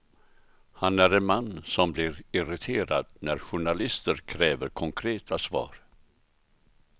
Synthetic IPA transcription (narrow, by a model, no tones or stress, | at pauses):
hanæɾɛnmanːsɔmblɪɾɪɾɪt̪ʰeːɾad̪næɾɧʊɳalɪst̪əɾkʰɾɛːvəɾkʰɔŋkʰɾeːt̪ʰasvɑ̰ːɾ